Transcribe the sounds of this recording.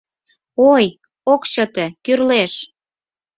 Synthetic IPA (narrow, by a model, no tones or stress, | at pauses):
oj | okt͡ɕət̪ĕkyrleʃ